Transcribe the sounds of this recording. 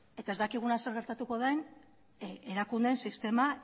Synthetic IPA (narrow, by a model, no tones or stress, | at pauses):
e̞t̪aezd̪akiɣ̞unase̞ɾɣe̞ɾt̪at̪uko̞ðaen | e̞ɾakund̪ensist̪e̞ma